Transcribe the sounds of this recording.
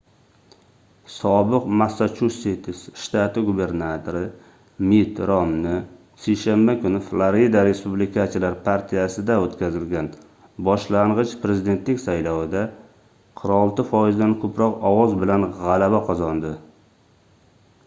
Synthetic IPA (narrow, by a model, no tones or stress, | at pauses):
sɒbɪqmasːat͡ʃʰusit̪ʰɪsʃt̪at̪ɪɡube̞ɾnat̪ʰoɾɪ | mit̪ɾɒmnɪ | sejʃanbakʊnɪflˠaɾid̪aɾe̞spublɪkʰasɪlaɾpʰaɾt̪ʰijasɪd̪aot̪kʲʰazɪlɡʲan | bɒʃlaɴʁɨt͡ʃpʰɾe̞zɪd̪e̞nt̪lɪkʲsajlɒwɪd̪a | qʰɨɾɒlˠt̪ɪfɒjɪzd̪ankʰɵpɾɒqɒwɒzbɪlanʁalabaqʰɒzɒnd̪ɪ